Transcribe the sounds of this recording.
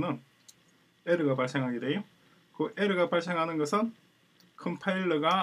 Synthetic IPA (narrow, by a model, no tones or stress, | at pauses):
nɯn | eɾɯɡapaɭs͈e̞ŋɦaɡideo | kɯʔeɾɯɡapaɭs͈e̞ŋɦanɯnɡʌsʰɯn | kʰɯmpʰaiɭːɯɡa